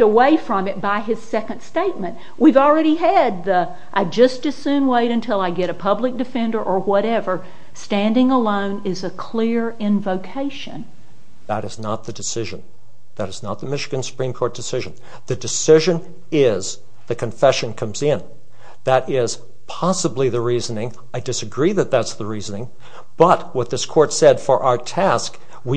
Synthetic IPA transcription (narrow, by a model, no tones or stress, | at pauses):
əweɪfɹʌ̃mɨt̚b̥aɪɨz̥sɛkɨ̃nd̥steɪt̚mɨ̃nʔ | wʔivl̩ˠɹɛɾiɨd̪̚ðə | ʔaɪd͡ʒʌsd̥ɨ̥sʉ̃nweɪɾɨ̃ntʰɪlˠaɪɡɛɾɨpʰʌblɨk̚d̥ɨfɛ̃ndə˞ʔə˞wʌɾɛvə˞ | stæ̃ndɪ̃ŋəlõʊ̃nɪzɨkʰl̥ɪɹɪ̃ɱvoʊkʰeɪʃɨ̰̃n | ðəɾɨznət̪̚ðɨdɨsɪʒɨ̃n | ðɨɾɨznət̪̚ðəmɪʃɨɡɨ̃nsə̥pʰɹ̥ĩmkʰɔɹt̚d̥ɨsɪʒɨ̃n | ðɨdɨsɪʒɨ̃n | ɪz | ðɨkʰɨ̃ɱfɛʃɨ̃nkʰʌ̃mzɪ̃n | ðɨɾɪz̥ | pʰɑsəbliðɨɹizənɪ̃ŋ | aɪdɨsɨɡɹiðɨt̪̚ðætsðəɹizənɪ̃ŋ | b̥ʌt̚wʌt̪̚ðɪskʰɔɹtsɛd̥fə˞ʔaə˞tʰæsk | wi